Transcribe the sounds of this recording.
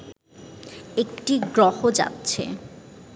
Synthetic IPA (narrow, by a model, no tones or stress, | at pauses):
ek̚ʈiɡɾɔhod͡ʑa̰tːɕʰḛ